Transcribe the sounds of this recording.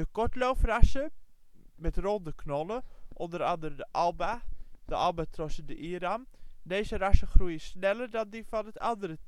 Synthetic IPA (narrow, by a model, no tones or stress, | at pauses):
dəkɔɹtlowfrɑsə | mɛtrondəknɔlˠəʔɔndəɾɑndərədəʔɑlˠbad̥əʔɑlˠbatrɔsədəʔiəɾamdeːzərɑsəχrujəsnɛlərdɑndifɑnətɑ̰ndərə